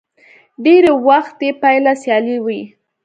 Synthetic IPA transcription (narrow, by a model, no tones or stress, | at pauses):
ɖeɾewaxt̪epajlasjɑliwi